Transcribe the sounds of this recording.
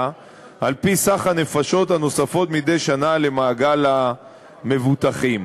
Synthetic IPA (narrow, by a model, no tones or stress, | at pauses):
ʔalpisaχhane̞faʃo̞t̪ano̞safo̞t̪mid̪e̞jʃanale̞maːɡala | me̞vut̪aχim